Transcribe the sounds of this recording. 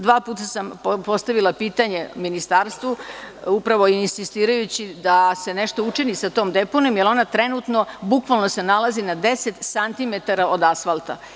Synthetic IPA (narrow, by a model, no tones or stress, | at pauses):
d̪ʋaːpuːt̪asampopo̞st̪aʋilˠapiːt̪aɲe̞minist̪aːɾst̪ʋuupɾaʋo̞iinsist̪iːɾajut͡ɕid̪ase̞ne̞ʃt̪o̞ut͡ʂinisat̪oːmd̪e̞ponomjelo̞nat̪ɾe̞nut̪no̞bukʋalˠno̞se̞nalˠazinad̪e̞set̪sant̪imet̪aɾao̞d̪asfalˠt̪a̰